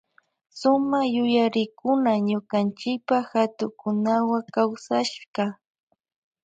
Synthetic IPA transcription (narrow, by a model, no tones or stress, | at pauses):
sʊmajʊjaɾɪkʊnaɲʊkant͡ʃɪk̚paxat̪ʊkʊnawakawsaʃɢɑ